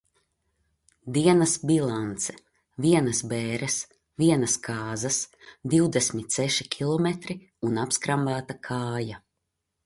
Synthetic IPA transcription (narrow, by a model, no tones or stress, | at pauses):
d̪iɛnɐsbilˠant̪sɛ̥ | viɛnɐsbeːɾɛs | viɛnɐskaːzɐs | d̪iwd̪esmit̪sɛʃikʲʰilˠɔmɛt̪ɾi | unapskɾambaːt̪akʰaːja